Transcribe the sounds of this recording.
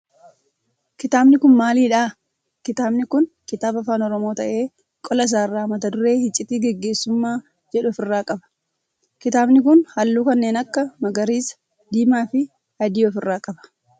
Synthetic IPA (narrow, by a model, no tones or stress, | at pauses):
kɪt̪aːbnɪkʊnmaːliːᶑaː | kɪt̪aːbnɪkʊn | kɪt̪aːbɐfaːnɔɾɔmo̞ːt̪ɐʔe̞ː | kʼɔlɐs̬aːɪrːaːmɐt̪ɐd̪ʊɾe̞ːhɪt͡ʃʼːɪt̪iːɡɛɡːe̞ːsːʊmːaː | d͡ʒɛᶑʊɔfɪrːaːkʼɐbɐ̥ | kɪt̪aːbnɪkʊnhɐlːuːkɐnːeːnɐkːɐmɐɡɐɾiːs | d̪iːmaːfɪ | hɐd̪iːɔfɪrːaːkʼɐbɐ̥